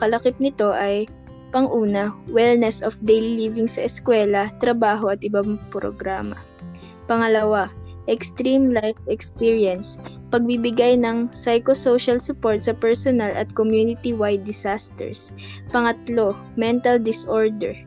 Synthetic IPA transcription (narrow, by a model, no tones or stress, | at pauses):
kɐlɐkɪp̚nɪt̪o̞ʔɐj | pɐŋʔuːnɐwɛlnɛsɔfd̪ɛjlilivɪŋsɐʔɛskwɛlɐt̪ɾɐbaːɦo̞ɐt̪ʔɪbampɾo̰ɡɾaːmɐ̰ | pɐŋɐlɐwaʔɛkst̪ɾimlajfɛkspiɹjɐns | pɐɡ̚bibɪɡajnɐŋsajkosowʃɐlsʊpoɹt̪sɐpɛɹsonalɐ̰t̪̚komjunɪt̪iwajd̪ːɪsast̪ɛ̰ɹs | pɐŋɐt̪lo̞ | mɛnt̪ɐld̪ɪsʔoɹd̪ɛ̰ɹ